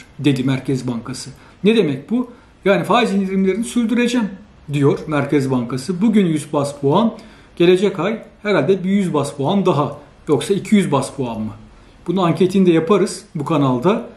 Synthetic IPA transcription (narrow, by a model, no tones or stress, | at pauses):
d̪e̞d̪imæɾcʰɛzbaŋkʰasɯ | ned̪e̞mɛc̚bu | jaːnifaːizind̪iɾimlʲeɾinisyɾʲd̪yɾe̞d͡ʒɛm | d̪ijo̞ɾ̥mæɾcʰɛzbaŋkʰasɯbuɟynjyzbaspʰuan | ɟ̥e̞lʲe̞d͡ʒɛcajhɛɾalʲd̪ɛbijyzbaspʰuand̪aɦa | jo̞ksaicʰijyzbaspʰuanmɯ | bununaɲcʰe̞t̪ʰind̪ɛjapʰaɾɯz̥bukʰanalˠd̪a